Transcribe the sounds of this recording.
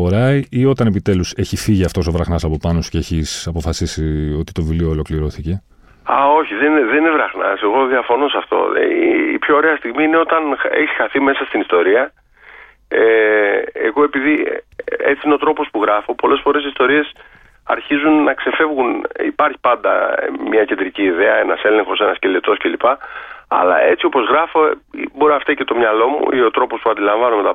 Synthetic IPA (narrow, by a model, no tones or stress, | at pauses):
oɾɐiʔio̞t̪ɐne̞pit̪e̞luse̞çifiʝiɐft̪o̞so̞vɾɐxnɐsɐpo̞pɐnosu̥ceeçisɐpo̞fɐsisio̞t̪i̥t̪o̞vilioːlo̞kliɾo̞θice̞ | ɐ̰o̞çiðenðeninevɾɐxnɐ̰se̞ɣo̞ðiɐfo̞no̞sɐft̪o̞̰ḭpço̞ːɾeɐst̪iɣmiine̞o̞t̪ɐneçsxɐθime̞sɐst̪inist̪o̞ɾiɐ | e | eɣo̞e̞piði | e̞t͡siineo̞t̪ɾo̞po̞spuɣɾɐfo̞po̞le̞sfo̞ɾe̞s̬ist̪o̞ɾie̞s | ɐ̰ɾçizunːɐkse̞fe̞vɣunḭpɐɾçi̥pɐnd̪ɐ̰mɲɐce̞nd̪ɾiciːðe̞ɐe̞nɐse̞le̞ŋxo̞se̞nɐsce̞let̪o̞sce̞lipɐɐ̰lɐ̰e̞t͡sio̞pozɣɾɐfo̞ḭboɾoɐft̪ɐcet̪o̞mɲɐlo̞mṵʔio̞t̪ɾo̞po̞spuɐnd̪ilɐɱvɐno̞me̞t̪ɐ